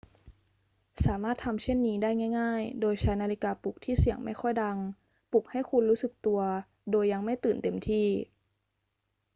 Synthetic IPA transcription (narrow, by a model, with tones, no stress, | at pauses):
saː˩˦maː˥˩t̪ʰa˧mt͡ɕʰe˥˩nːiː˦˥daː˥˩jŋaː˥˩jŋaː˥˩jdoː˧jt͡ɕʰa˦˥jnaː˧li˧kaː˧pu˨˩k̚t̪ʰiː˥˩si˨˩˦əŋma˥˩jxʰɔ˥˩jda˧ŋ | pu˨˩k̚ha˥˩jkʰu˧nɾuː˦˥sɯ˨˩k̚t̪u˧ɐ | doː˧jːa˧ŋma˥˩jt̪ɯː˨˩nt̪e˧mt̪ʰiː˥˩